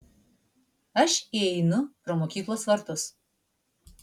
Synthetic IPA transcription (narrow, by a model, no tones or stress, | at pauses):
ɐʃiɛɪnʊpɾomoːkʲiːklˠoːsʋɐɾt̪ʊs